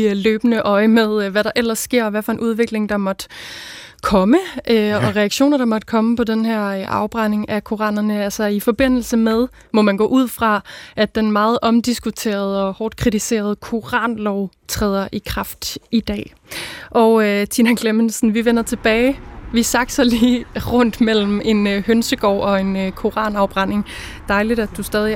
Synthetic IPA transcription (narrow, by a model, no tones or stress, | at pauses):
løːb̥ənəʔɒ̽ɪmeðˠʋæɾɑ̈ʔel̰ɐsːɡ̥e̝ɐ̰ɒʋæfɒ̽e̝nʔuð̞ˠʋe̝ɡ̥le̝ŋd̥ɑ̈mɒ̽d̥ | kʰɒ̽məʔøɒ̽ʁɛɑ̈ɡ̥ɕo̰ːnɐɾ̥ɑ̈mɒ̽d̥̚kʰɒ̽məpʰɒ̽denɦæɐ̰ʔɑ̈ʊb̥ʁɑne̝ŋækʰo̝ʁɑ̰̈ːnɐnəælsɐifɒ̽b̥e̝n̰l̩səmeð̞ˠ | mɒ̽mænɡ̥ɔ̰ːʔuð̞̰ˠfʁɑ̈ʔæd̥ːenmɑ̈ːð̞̩ˠʔɒ̽md̥isɡ̥ut͡sʰe̝̰ːɐð̞̩ˠɒ̽hɒːd̥̚kʰʁit͡sʰise̝̰ːɐð̞ˠkʰo̝ʁɑ̰̈ːnlɒʊt͡sʰʁɛːð̞ˠɐʔikʰʁɑ̈fd̥id̥ɛ̰ː | ʔɒ̽ʊøt͡sʰinækʰlemənsn̩ʋiʋenɐt͡sʰe̝b̥ɛːɪʋisɑ̈ɡ̥sɒliːʁɔ̽n̰d̥mel̰m̩e̝nhønsəɡ̥ɒ̰ʊ̰ɒ̽e̝nøkʰo̝ʁɑ̰̈ːnɑ̈ʊb̥ʁɑne̝ŋd̥ɑ̈ɪliɾ̥æd̥usd̥ɛːð̞ˠi